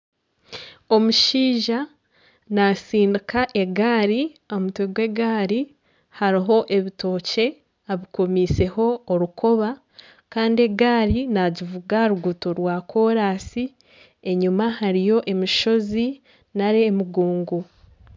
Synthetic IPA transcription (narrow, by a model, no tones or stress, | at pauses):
o̞muʃiːʒa | nasiːndikaʔe̞ɡaːɾio̞mutweɡwe̞ɡaːɾi | haɾiɦo̞ʔe̞βito̞ːce̞ | aβiko̞miːse̞ho̞ːɾuko̞βa | kaːndie̞ɡaːɾinaɟivuɡaɾuɡutoɾwako̞ːɾaːsi | e̞ɲumahaɾijo̞ʔe̞miʃo̞zi | naɾemuɡuːŋɡu